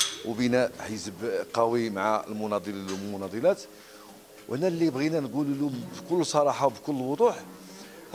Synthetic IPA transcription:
wbinæħəsəbqɑwimʕaəlmʊnɑd̪ˤilmʊnɑd̪ˤilæt̪ | whnælːijbɣinænɡululumbkʊlːsˤɑɾˤɑħɑwbkʊlːwod̪ˤuħ

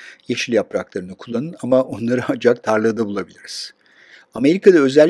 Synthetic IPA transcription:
jeʃilʲjapɾaklˠaɾɯnɯkʰulˠːanɯnamaʔo̞nlˠaɾɯand͡ʒak̚t̪ʰaɾlˠɯːd̪abulˠabilʲiɾiz̥ | ame̞ɾikʰad̪aø̞zælʲː

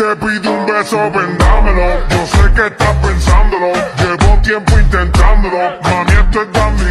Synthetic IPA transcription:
t̪epiðũmbesoβẽnd̪ameloʒoseket̪apẽnsãnd̪ololeβot̪jẽmpʊĩnt̪ẽnt̪ãnd̪olomɐmẽnt̪et̪bani

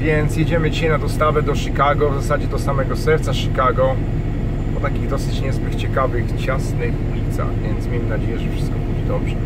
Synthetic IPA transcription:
vʲjɛnt̪sjɛd͡ʑɛmɘd͡ʑiɕajnad̪ɔst̪avɛd̪ɔʂɨkaɡɔvzasad͡ʑɛd̪ɔsamɛɡɔsɛɾt̪saʂɨkaɡɔ | pɔt̪akʲiɣd̪ɔsɘt͡ɕɲɛzbɘkt͡ɕɛkavɘxt͡ɕasnɪxulʲit̪sa̰ɣvʲjɛnt̪smʲejmɘnad͡ʑejɛʐɛfʂɘst̪̚kɔbud͡ʑɛd̪ɔbʐɛ

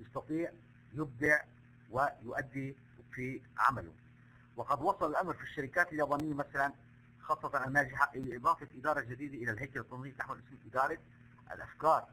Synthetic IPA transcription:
jɑsˤt̪ɑt̪ˤiːʕ | jɪb̚d̪ɪʕ | wɪjʊʔad̪ːi | fiʕa̰malʊ̰ | wɑqɑd̪wɑsˤɑlalʔamɾfiʃːaɾɪkaːt̪aljaːbaːnɪjːamasalan | xɑːsˤːɑt̪ɑnʔalnaːʒɪħaʔɪʔɪbɑːt̪ˤɑʔɪd̪ɑːɾˤɑld͡ʒad̪iːd̪aʔɪlalɦajkalt̪ˤːuːmɪːt̪aħwalʔɪsmʔɪd̪ɑːɾˤɑ | ʔa̰lʔa̰fkɑːɾˤ

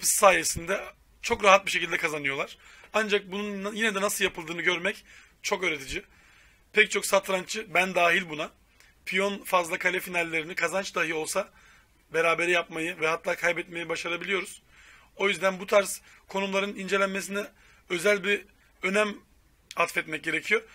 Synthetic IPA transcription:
pɯ̥ssaːjesind̪ɛ | t͡ʃʰo̞kɾaɦat̪̚biʃecʰʲilʲd̪ɛkʰazanɯjo̞lˠaɾ̥and͡ʒak̚bununjinɛd̪ɛnasɯlˠjapʰɯlˠd̪ɯːnɯɟø̞ɾmɛc | t͡ʃʰo̞køːɾet̪ʰid͡ʒi | pʰɛct͡ʃʰo̞ksat̪ɾant͡ʃʰɯbænd̪aːɦilʲbuna | pʰijonfazlˠakʰalʲɛfinalʲːe̞ɾinikʰazant͡ʃd̪aɦɯjɯo̞lˠsa | be̞ɾaːbe̞ɾijapmajɯvɛhat̪ʰːaːkʰajbɛt̪me̞jibaʃaɾabilʲijo̞ɾuz̥ | o̞jyzd̪ænbut̪ʰaɾs | kʰo̞numlˠaɾɯnind͡ʒe̞lʲænmes̬inɛ | ø̞zælʲbi | ø̞næm | at̪fɛt̪mɛc̚ɟe̞ɾecʰijo̞

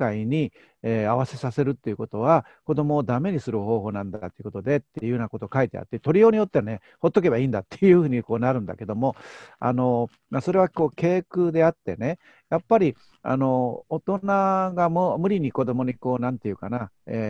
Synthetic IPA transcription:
aiɲ̟i | eːaβase̞sase̞ɾɯ̟t̪ːe̞jɯ̟ko̞t̪o̞βa | ko̞d̪o̞mo̞ːd̪ame̞ɲ̟isɨɾɯ̟ho̞ːɦo̞ːnãnd̪at̪ːeɯko̞t̪o̞d̪e̞t̪ːeiɯɯːnako̞t̪okait̪ea̰t̪ːet̪o̞ɾʲijo̞ːɲ̟ijo̞t̪ːeane̞ | ho̞t̪ːo̞k̬e̞baiːnd̪at̪ːejɯ̟hɯ̟ːɲ̟iko̞ːnaɾɯ̟̃nd̪a̰ke̞d̪o̞mo̞a̰no̞ | maso̞ɾe̞β̞ako̞ːke̞ːkɯ̟d̪e̞at̪ːe̞̰ne̞ | japːaɾʲi | a̰no̞ot̪o̞naɡamomɯ̟ɾʲiɲ̟iko̞d̪o̞mo̞ɲ̟iko̞ːnãnt̪e̞jɯ̟kanaeː

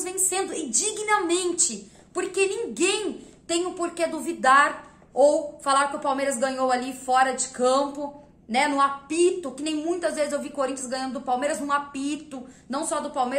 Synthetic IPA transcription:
zvẽj̃sẽnd̪ʊɪd͡ʒiɡnɐmẽnt͡ʃɪ | poɾkenĩŋɡẽj̃t̪ẽj̃ʊpoɾked̪uvid̪aɾ | owfalaɾkɪʊpawmejɾɐzɡɐ̃ɲowalifɔɾɐd͡ʒɪkɐ̃mpʊ | nɛnʊ̃apit̪ʊkɪnẽj̃mũj̃t̪ɐzvezɪzewvikoɾĩt͡ʃɐzɡɐ̃ɲ̃ɐ̃nd̪ʊd̪ʊpawmejɾɐznʊ̃apit̪ʊnɐ̃w̃sɔd̪ʊpawme

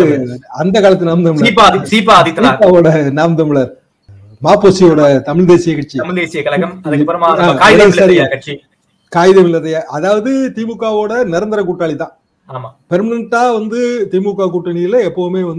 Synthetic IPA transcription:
ɐnd̪ɐkaːlɐt̪ːɯnaːmd̪ɐmɪɭɐpːasiːpaɐðɪt̪ːiːpːaːʋoːɽɐnaːmd̪ɐmɪɭɐɾ | maːpːoːsijoːɽɐt̪ɐmɪɭd̪eːsɪjɐkɐʈ̚t͡ʃːiɐmɪɭd̪eːsɪjɐkɐlɐɣɐmɐpːɐɾɐmaːaːaːɐɐɾɪaːkɐʈ̚t͡ʃi | kaːjɪðɐʋɪlːɐðɐjaːʔɐðaːʋɐðɯt̪iːmukːaːʋoːɽɐnɪɾɐnd̪ɐɾɐkʊʈːaːɭit̪ãː | aːmapɛɾmɐnɐɳʈːaːʋɐnd̪ɯt̪imukːaːk̬ʊʈːɐnɪjɪlɐɛpːɐʋɯmeːʋɐnd̪ɯ

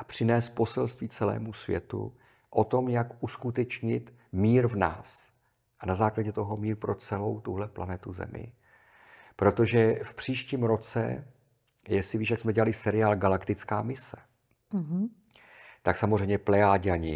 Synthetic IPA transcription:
ʔapr̝̥ɪnɛːst̪̚po̞sɛlst̪viːt͡sɛlɛ̰ːmusvjɛ̰t̪ṵ | ʔot̪o̞mjakʔuskut̪ɛt͡ʃɲɪt̪ | miːɾvna̰ːs | ʔanazaːklaɟɛt̪o̞ɦo̞miːɾpɾot͡sɛlo̞wt̪uɦlɛplanɛt̪uzɛ̰mɪ̰ | pɾo̞t̪o̞ʒɛfpr̝̥iːʃciːmɾo̞t͡sɛ̰ | jɛsɪviːʃjaksmɛɟɛlalɪsɛɾɪaːlɡalakt̪ɪt͡skaːmɪsɛ̥ | ɦ | t̪aksamozrɛjmɲɛplɛaːɟaɲɪ

